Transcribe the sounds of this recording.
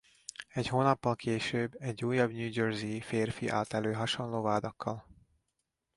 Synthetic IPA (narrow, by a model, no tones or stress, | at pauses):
ɛchoːnɒpːɒlkʰeːʃøːbːɛɟːuːjːɒbnuːd͡ʒøːrzifeːrfiʔa̰ːt̪ɛløːɦɒʃonloːvaːd̪ɒkʰːɒl